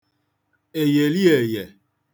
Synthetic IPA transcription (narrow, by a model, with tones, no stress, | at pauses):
e˨je˨li˦e˨je˨